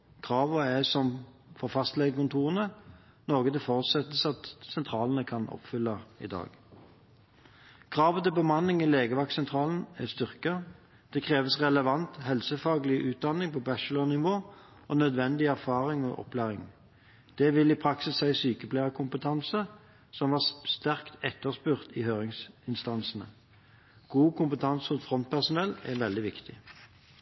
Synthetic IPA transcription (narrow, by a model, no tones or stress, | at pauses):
kʰʁɑːʋəæsɔm | fɔʁfɑst̪lɛɡəkʊnt̪ʰuːʁənə | noːɡəd̪ɛfɔʁʉt̪sɛt̪ːəsɑt̪sɛnt̪ʰʁɑːlənəkʰɑnɔ̰pfʏlːɑɪ̰d̪ɑ̰ːɡ̥ | kʰʁɑːʋət̪ɪlbəmɑnːɪŋileːɡəʋɑksɛnt̪ʰʁɑːlən̩æst̪ʏʁkə | d̪̥ɛkʰʁeːʋəsʁɛləʋɑnt̪hɛlsəfɑːɡlɪʔʉːt̪̚d̪ɑnːɪŋpʰɔbæʃlɔnɪʋoː | ɔnœd̪ʋɛnd̪ɪæʁfɑːʁɪŋɔ̰ʔɔ̰pʰlæːʁɪŋ | d̪̥ɛʋɪliːpʰʁɑksɪsːæɪsyːkəpʰlæːʁəkʰʊmpət̪ʰɑnsə | sɔmʋɑːst̪æʁkt̪ɛt̪ːəʁspʉʁt̪iːhøːʁɪŋsɪnst̪ɑnsnə̰ | ɡ̥uːkʰʊmpət̪ʰɑnsʊt̪fʁɔnt̪̚pʰæʁsʊnɛlɛ̰ʋɛld̪ɪʋɪkt̪ɪ̰